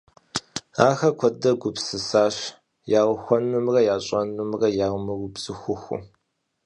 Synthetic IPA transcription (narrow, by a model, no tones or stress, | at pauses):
aːxɐkʷʰɔdɐɡʷʊpsɨsaːɕ | jaːʁʷʊxʷɔnɨmrɐjaːɕʼɐnumrɐjaːwmɨɡʊbz̥ɨxʷʊxʷʊ̰